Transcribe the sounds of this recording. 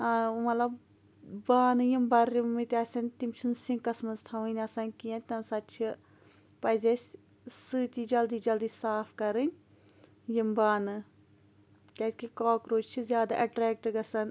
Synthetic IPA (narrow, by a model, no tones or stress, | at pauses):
mɐt̪lɐb | baːnɨjimbɐɾimːit̪ʲaːsʲɐnt̪imt͡ʃʰunsĩŋkɐsmɐzt̪ʰɐʋɐ̃nʲɐsɐnʲkijãt̪ɐmsɐtt͡ʃʰi | pɐzʲesʲ | sɨːt̪iːd͡ʒɐld̪iːd͡ʒɐld̪iːsaːpʰkɐɾɨnʲ | jimbaːnɨ | kɐsʲkikoːkɾoːd͡ʒt͡ʃʰizʲjaːd̪a̰ʔɐʈɾɛːk̚ʈɡɐsɐn